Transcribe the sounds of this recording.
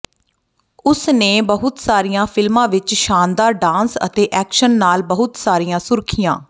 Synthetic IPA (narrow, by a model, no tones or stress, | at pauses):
ʊsneːbəɦʊt̪saːɾijãːpʰɪlmãːʋɪt͡ʃʃaːnd̪aːɾɖãːnsə̰t̪eːʔɛːkʃənːaːlbəɦʊt̪saːɾijãːsʊɾkʰɪjãː